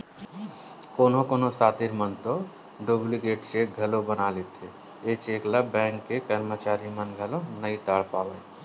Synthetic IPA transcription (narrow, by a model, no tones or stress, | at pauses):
koːnokoːnosaːt̪iɾmənt̪o | ɖoːbliɡeːʈt͡ʃeɡʱəlobənalet̪ʰe | et͡ʃeklabɛ̃ːŋkːekəɾmət͡ʃaːɾimənɡʱəlonəĩt̪əɽpaːʋɛ